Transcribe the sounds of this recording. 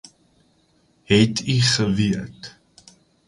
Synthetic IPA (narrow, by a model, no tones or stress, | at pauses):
ɦɛtʰiχəviət